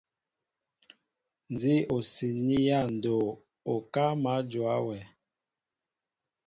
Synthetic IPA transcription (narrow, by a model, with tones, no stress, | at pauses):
n˨zi˦o˨si˨ni˦ja˦˨n˨do˨ | o˨ka˦ma˨˦d͡ʒwa˦wɛ˨